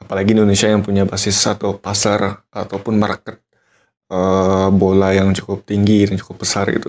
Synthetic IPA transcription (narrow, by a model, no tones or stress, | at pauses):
apalaɡiːndonesiajaŋpuɲabasɪsat̪awpasarʔat̪awpʊnmarkət̪̚ | əbolajaŋt͡ʃu̥kʊp̚t̪iŋɡidant͡ʃu̥kʊp̚bəsarḭt̪u